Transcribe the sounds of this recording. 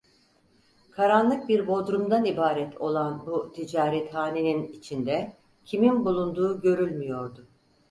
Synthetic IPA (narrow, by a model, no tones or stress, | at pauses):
kʰaɾanlˠɯk̚biɾbo̞d̪ɾumd̪anibaːɾɛt̪ʰo̞lˠanbut̪ʰid͡ʒaːɾɛt̪haːneninit͡ʃʰind̪ɛ | cʰiminbulˠund̪uːɟø̞ɾylʲmijo̞ɾd̪ʊ